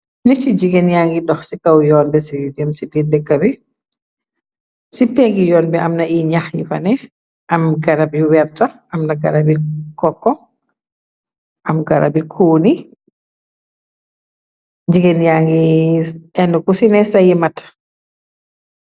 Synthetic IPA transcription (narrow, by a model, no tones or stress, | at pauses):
nɛt͡ʃid͡ʒiɡɛnjaŋɡidɔxsikawjɔːnbɛsidəmsibidɛkːabi | sipɛɡijɔːnbɛamnaiɲaxjḭfa̰nɛ | ʔamɡaɾabjuwɛɾta | amnaɡaɾabikɔkːɔ | ʔamɡaɾa̰bikʰuːni | d͡ʒiɡɛnjaŋɡi | ɛnːukusinɛsajɛmat